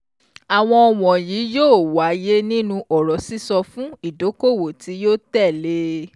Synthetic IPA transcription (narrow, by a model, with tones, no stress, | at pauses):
a˨w̃ɔ̃˧ɔ˧w̃ɔ̃˨jiː˨˦joː˦˨wa˨˦je˦nĩ˦nũ˧ʔɔ˨ɾɔ˨si˦sɔ˧fũ˦i˦˨do˨˦ko˦˨wo˨ti˨˦joː˦tɛ˦˨le˦